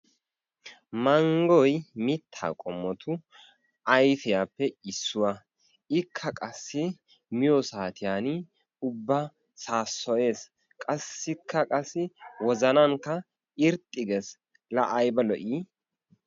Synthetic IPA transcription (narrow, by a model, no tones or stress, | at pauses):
mɐŋɡɔjmɪt̪ʰːa̰ːkʼɔmːɔt̪ʰʊ | ʔɐjfɪjaːpːɛɪsːʊwɐ | ɪkʰːɐkʼɐsːɪ | mɪjɔsaːt̪ɪjaːn | ʊbːɐ | saːsːɔʔe̞ːs | kʼɐsːɪkʰːɐkʼɐsːɪwɔzɐnɐŋkːɐ | ɪɾt̪ʼːɪɡɛs | lɐʔɐjbɐlɔʔiː